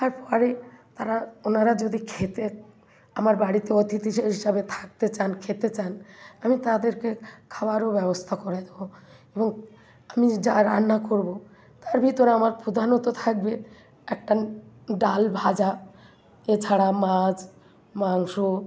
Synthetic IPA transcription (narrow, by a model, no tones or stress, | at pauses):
t̪aɾpɔɾet̪aɾaonaɾad͡ʑod̪ikʰet̪e | amaɾbaɽit̪eot̪it̪iʃeɦiʃabet̪ʰḁk̚t̪et͡ɕankʰet̪et͡ɕanamit̪ad̪eɾkekʰabaɾobɛbost̪ʰakɔɾajd̪ebo | eboŋ | amid͡ʑaɾanːakoɾbo | t̪aɾbʱit̪oɾeamaɾpɾod̪ʱanot̪ot̪ʰak̚be | ɛk̚ʈa | ɖalbʱad͡ʑa | et͡ɕʰaɽamad͡ʑ | maŋʃo